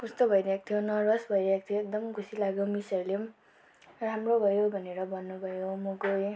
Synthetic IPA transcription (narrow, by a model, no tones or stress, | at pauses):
kust̪obʱʌjɾak̚t̪ʰijonʌɾʌsbʱʌjɾakt̪ʰijoek̚d̪ʌmkʰusilaɡjomisʌɾle | ramrobʱʌjobʱʌneɾʌbʱʌnːubʱʌjomukoj